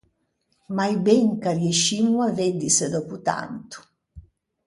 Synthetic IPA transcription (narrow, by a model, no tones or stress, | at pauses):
majbɛŋkarjeʃimːuaved̪isəd̪ɔput̪a̰nt̪u̥